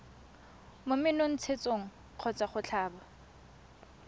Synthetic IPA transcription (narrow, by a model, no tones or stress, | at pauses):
momɪnon̩t͡sʰet͡soŋ̩ | q͡χʰɔt͡sʼaχʊt͡ɬʰaːba